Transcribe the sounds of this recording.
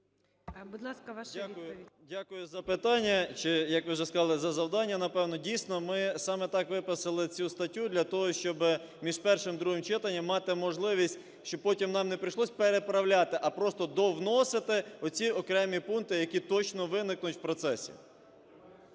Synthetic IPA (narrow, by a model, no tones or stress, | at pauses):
bud̪lˠɑskɐʋaʃʲaʊjʊdʲakʊjʊzɐpɪt̪ɑnʲːɐt͡ʃɪjɐkʋɪʒɛskɐzɑlˠɪzɐzɐwd̪ɑnʲːɐnɐpɛwnɔdʲijsʲnɔmɪsɑmɛt̪ɑkʋɪpɐsɪlˠɪt͡sʲust̪ɐtʲːud̪ʲlʲɐt̪ɔɦɔʃt͡ʃɔbɪ | mʲiʒpɛrʃɪmd̪ɾuɦɪmt͡ʃɪt̪ɐnʲːɐmːɑt̪ɪmɔʒlˠɪʋʲisʲt̚ʲ | ʃt͡ʃɔpɔtʲimnɑmnepɾɪjʃlˠɔsʲpeɾepɾɐwlʲat̪ɪʔɐpɾɔst̪ɔd̪ɔwnɔsɪt̪ɪɔt͡sʲiɔkɾɛmʲipunt̪ɪjɐkʲit̪ɔt͡ʃnɔʋɪnɪknʊtʲwpɾɔt̪sɛsʲḭ